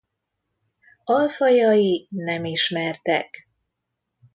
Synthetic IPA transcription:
ɒlfɒjɒjinɛmiʃmɛrt̪ɛ̰k

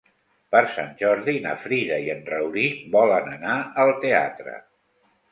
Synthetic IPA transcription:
pəɾsa̰nʲʒɔɾðina̰fɾiðəiənrəwɾibɔlənənaəlˠt̪ea̰t̪ɾə̰

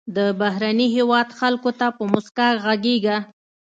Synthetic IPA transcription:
d̪əbaɦɾaniɦewɑd̪xalkot̪apəmʊskaɣaɡeɡa

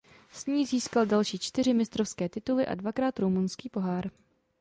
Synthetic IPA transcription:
sɲiːziːskaldalʃiːt͡ʃt̪ɪr̝ɪmɪst̪ɾofskɛːt̪ɪt̪ulɪʔa̰dvakɾaːt̪ɾomunskiːpo̞ɦaːɾ

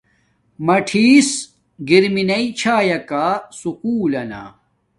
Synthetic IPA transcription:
mɐʈʰiːs | ɡiɾminɐit͡ɕʰaːjɐkaːsukuːlɐna̰ː

